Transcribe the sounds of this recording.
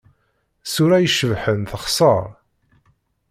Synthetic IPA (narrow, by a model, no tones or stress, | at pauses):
suɾæjəʃəvħənθəχsˤəɾˤ